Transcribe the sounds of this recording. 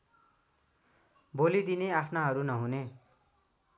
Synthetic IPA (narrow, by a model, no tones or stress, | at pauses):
bolid̪ineapʰnaɦʌɾunʌɦune